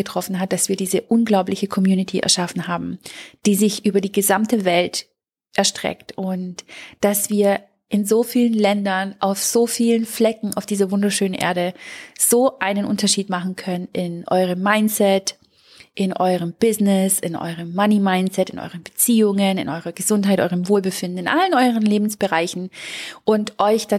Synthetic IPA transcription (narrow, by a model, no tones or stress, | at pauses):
ətʁ̥ɔfn̩ɦat̚d̥asv̥iːɐdiːzəʔʊnɡlaʊplɪçəkʰɔmjuːnɪtʰiʔɛ̰ɐʃafn̩ɦaːbm̩d̥iːzɪçʔyːbɐdiːɡəzamtəvɛlt | ʔɛɐʃtʁ̥ɛ̰ktʔʊntd̥asv̥iːɐ | ʔɪnzoːfiːlənlɛndɐnʔaʊfz̥oːfiːlənflɛkŋ̩aʊfd̥iːzɐvʊndɐʃøːnənʔḛːɐɾəz̥oːʔaɪnənʔʊntɐʃiːtmaχn̩kʰœnənʔɪnʔɔ̰ʏʁəmːaɪnt͡sɛt | ʔɪnʔɔʏʁəmb̥ɪznɪsɪ̰nʔɔ̰ʏʁəmːanimaɪnt͡sɛtɪnʔɔ̰ʏʁənbət͡siːʊŋənɪ̰nʔɔʏʁɐɡəzʊntɦaɪtʔɔ̰ʏʁəmvoːlbəfɪndn̩ɪnʔa̰lənʔɔʏʁənleːbm̩sb̥əʁaɪçn̩ʔʊntʔɔʏçd̥a